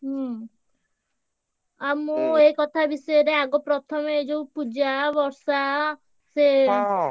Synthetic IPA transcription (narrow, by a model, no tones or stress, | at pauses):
ɦ | amuekɔt̪ʰabisɔjeɾeaɡopɾɔt̪ʰɔmed͡ʒoupud͡ʒabɔɾsa | se